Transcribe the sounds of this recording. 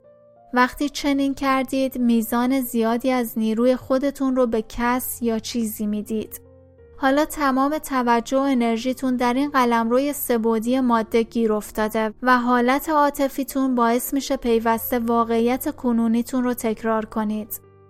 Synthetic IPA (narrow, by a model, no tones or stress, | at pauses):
væxt̪ʰiːt͡ʃʰe̞niːncʰæɾd̪iːd̪miːzɒːne̞zijɒːd̪iːæzniːɾuːje̞xo̞d̪e̞t̪ʰunrobe̞cʰæsjɒːt͡ʃʰiːziːmiːd̪iːd̪̥ | hɒːlɒːt̪ʰæmɒːme̞t̪ʰævæd͡ʒːo̞ene̞ɾʒiːt̪ʰund̪æɾiːnɢælæmɾoːje̞se̞boːd̪ije̞mɒːd̪ːe̞ɟiːɾo̞ft̪ɒːd̪e̞væɦɒːlæt̪ʰe̞ɒːt̪ʰe̞fiːt̪ʰunbɒːe̞smiːʃe̞pʰe̞jvæst̪e̞vɒːɣe̞iːjæt̪ʰe̞kʰonuːniːt̪ʰunrot̪ʰe̞cʰɾɒːɾkʰo̞niːd̪̥